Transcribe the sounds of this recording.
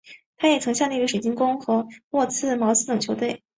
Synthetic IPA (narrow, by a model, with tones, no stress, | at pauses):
t̪ʰa˥jɛ˨˩t͡sʰɤ˧˥ŋɕjɑ˥˩ŋd̪ə˩i˧˥ɡə˧ʂe˨˩t͡ɕi˥nkʊ˥ŋxɤ˧˥wɔ˥˧t͡sʰɹ̩˥˩mɑ˧˥ʊsɹ̩˥t̪ɤ˨˩ŋt͡ɕʰo˧˥t̪we˥˩ɪ